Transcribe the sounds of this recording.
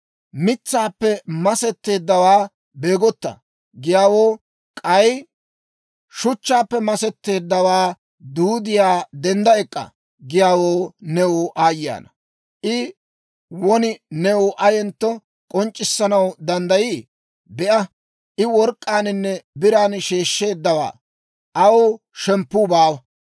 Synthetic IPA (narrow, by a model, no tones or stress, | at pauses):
mɪt͡sːaːpːɛmɐsɛt̪ːe̞ːd̪ːɐwaː | be̞ːɡɔt̪ːɐ̰ | ɡɪjaːwoː | kʼɐj | ʃʊt͡ʃːaːpːɛmɐsɛt̪ːe̞ːd̪ːɐwaː | d̪uːd̪ɪjaːd̪ɛnd̪ɐɛkʼːɐ̰ | ɡɪjaːwo̞ːnɛwʊʔaːjja̰ːnɐ | ʔɪ | wɔnɪnɛwʊʔɐjɛnt̪ːɔ | kʼɔnt͡ʃʼːɪsːɐnɐwd̪ɐnd̪ɐjiː | bɛʔɐ | ʔɪwɔɾkʼːaːnɪnːɛbɪɾaːnʃe̞ːʃːe̞ːd̪ːɐwa̰ː | ʔɐwo | ʃɛmpːuːbaːwɐ